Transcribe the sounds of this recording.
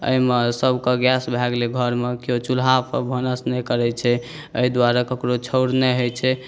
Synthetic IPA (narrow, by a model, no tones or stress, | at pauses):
ə̰imesəbʱkɔɡɛsbʱɛɡleɡʱəɾmekijot͡ʃulɦapə̰bʱənəsnɛkəɾɛt͡ʃʰɛ | əid̪waɾakəkɾot͡ʃʰəʊɽnɛɦot͡ʃʰɛ